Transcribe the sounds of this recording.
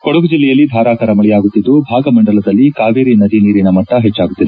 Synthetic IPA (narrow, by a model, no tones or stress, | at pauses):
koɽuɡud͡ʒilːɛjɐlːid̪ʱaːɾaːkɐɾɐmɐɭɛjaːɡut̪ːid̪ːubʱaːɡɐmɐɳɖɐlɐd̪ɐlːikaːʋeːɾinɐd̪iniːɾinɐmɐʈːɐɦet͡ʃːaːɡut̪ːid̪ɛ